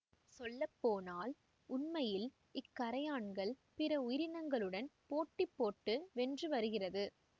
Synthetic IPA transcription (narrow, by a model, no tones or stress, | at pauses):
sɔlːɐpːoːnaːl | ʊnmɐjɪl | ɪkːɐɾɐjaːɳɡɐɭpɪɾɐʊjɪɾɪnɐŋɡɐɭɯɽɐnpoːʈːɪpːoːʈːɯʋɛndrɯʋɐɾɯɣɪrɐðɯ